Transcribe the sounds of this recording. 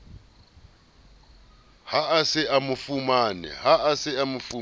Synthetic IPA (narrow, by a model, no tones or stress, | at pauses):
haasɪʔamufumaːnɛ̰ɦaʔasɪamufu